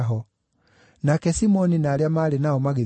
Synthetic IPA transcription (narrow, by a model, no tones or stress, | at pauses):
ɦɔ | nakɛsimɔninaːɾjamaːlenaɔmaɣe